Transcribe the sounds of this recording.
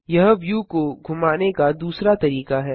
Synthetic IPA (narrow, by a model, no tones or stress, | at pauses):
jɐɦʋjukoɡʱʊmaːnekad̪uːsɾat̪ɐɾiːkaɦɛː